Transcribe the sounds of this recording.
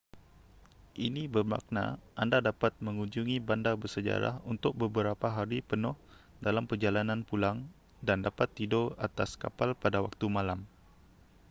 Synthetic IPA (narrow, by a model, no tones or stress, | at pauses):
ʔinibərma̰k̚na̰ʔandadapat̪̚mə̃ŋuɲd͡ʒuŋibandabərsəd͡ʒa̰ɾa̰hunt̪ʊk̚bəbəɾapaɦaɾipənʊh | dalampərd͡ʒalanãnpulaŋ | dandapat̪ːidoat̪aska̰palpadawa̰k̚t̪umãlam